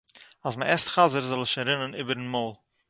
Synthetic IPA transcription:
asməʔɛstχazəɾzɔlˠɪʃaɾɪnəniːbəɾn̩moʊlˠ

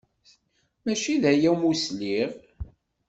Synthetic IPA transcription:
mæʃiðæjæmusliʁ

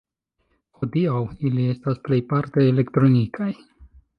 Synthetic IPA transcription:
ho̞diawilie̞stasple̞jpaɾt̪e̞ːle̞kt̪ɾo̞nikʰaj

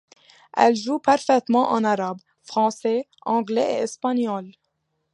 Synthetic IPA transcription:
ʔɛ̰lʒupaɾfɛt̪mɑ̃ʔɑ̰̃naɾab | fʁɑ̃sɛ | ʔɑ̃ɡleḛɛspanjɔl

